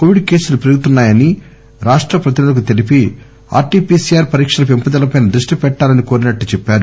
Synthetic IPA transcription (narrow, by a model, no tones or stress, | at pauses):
koːʋiɖke̞ːsulupiɾɡut̪unːaːjɐni | ɾaːʂʈɾɐpɾɐt̪̬inulɐk̬ut̪e̞lipi | a̰ːɾʈiːpiːsijaːɾpɐɾiːkʂɐlɐpimpɐd̪ɐlɐpɐjnɐd̪ɾuʂʈipɛʈːaːlɐniko̞ːɾinɐʈːut͡ʃɛpːaːɾu